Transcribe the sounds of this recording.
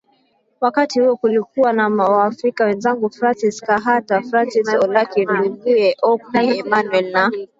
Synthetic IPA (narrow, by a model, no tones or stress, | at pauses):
wakatihuɔkulikuwanamawaːfɾikawɛnzaŋɡufɾansiskaɦatafɾansisɔlakim̩liɡuɛʔɔkiɛmanwɛlna